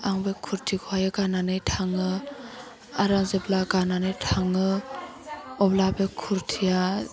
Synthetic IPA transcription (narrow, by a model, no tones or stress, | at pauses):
aŋbekʰuɾtʰikʰoajɯɡananɯjtʰaŋɯ | aɾaŋzeblaɡananɯjtʰaŋɯ | ɔblabekʰuɾtʰija